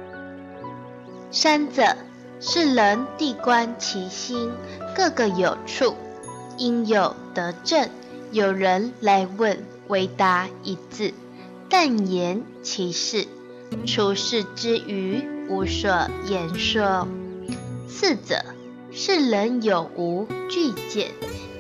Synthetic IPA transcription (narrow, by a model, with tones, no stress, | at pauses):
sa˥nt͡sə˨˩˦ | ʂɻ̩˥˩lə˧˦nt̪i˥˩kwa˥nt͡ɕʰi˧˥ɕi˥n | kɤ˥˧ɡə˨˩jo˨˩ʊʈ͡ʂʰu˥˩ | i˥njo˨˩ʊt̪ɤ˧˦ʈ͡ʂə˥˩n | jo˨˩ʊɻə˧˦nla˧˥ɪwə˥˩n | we˧˥ɪt̪a˧˥i˧˥t͡s̩˥˩ | t̪a˥˩njɛ˧˥n | t͡ɕʰi˧˥ʂɻ̩˥˩ | ʈ͡ʂʰu˧˥ʂɻ̩˥˩ʈ͡ʂɻ̩˥ʔy˧˥u˧˥ʂwɔ˨˩jɛ˧˥nʂɔ˥ | s̩˥˩t͡sə̰˨˩ | ʂɻ̩˥˩lə˧˥njo˨˩ʊʔu˧˥t͡ɕy˥˧t͡ɕjɛ̰˨˦n